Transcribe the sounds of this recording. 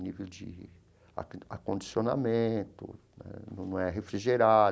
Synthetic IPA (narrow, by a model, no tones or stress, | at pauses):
nivewd͡ʒɪ̰ | a̰a̰kõnd͡ʒisiona̰mẽt̪ʊ̰ | ɛ̰ñnɐ̃w̃ɛɦefɾiʒeɾa